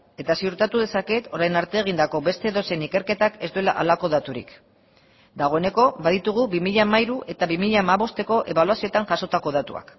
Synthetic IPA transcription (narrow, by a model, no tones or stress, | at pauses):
e̞t̪asiuɾt̪at̪uðe̞sake̞t̪o̞ɾajnaɾt̪e̞ːɣ̞ind̪ako̞βe̞st̪e̞ːðo̞se̞nike̞ɾke̞t̪ake̞zd̪ue̞la̰ʔalako̞ðat̪uɾḭk | d̪aɣ̞o̞ene̞ko̞βaðit̪uɣ̞uβimiʎamaiɾuʔe̞t̪aβimiʎaːmaβo̞st̪e̞ko̞ʔe̞βaluasio̞t̪anʝaso̞t̪ako̞ð̞at̪ṵa̰k